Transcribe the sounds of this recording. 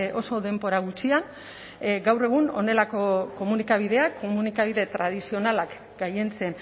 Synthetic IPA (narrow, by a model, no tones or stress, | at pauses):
ʔo̞so̞ðe̞mbo̞ɾaɣ̞ut͡sian | ɡawre̞ɣ̞uno̞̰ne̞lako̞ko̞munikaβ̞ið̞e̞akːo̞munikaβiðe̞t̪ɾað̞isio̞nalak | ɡaje̞nt͡se̞n